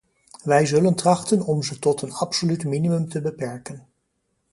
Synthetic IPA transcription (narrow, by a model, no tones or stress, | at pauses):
ʋɛjzɵləntrɑχtənɔmzətɔtənɑpsolytminimɵmtəbəpɛɹkən